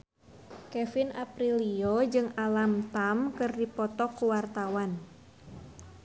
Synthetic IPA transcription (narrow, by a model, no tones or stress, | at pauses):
kɛfinapɾiliod͡ʒɨŋalamt̪amkɨrdipɔt̪ɔkːuwart̪awan